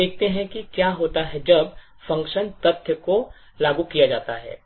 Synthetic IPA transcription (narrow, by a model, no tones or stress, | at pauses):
eːk̚t̪eɦɛ̃kikjaːɦoːt̪aɦɛd͡ʒɐb | fɐ̃ŋkʃənpɐt̪ʰjəko | laːɡũkijad͡ʒaːt̪aɦɛ̰ː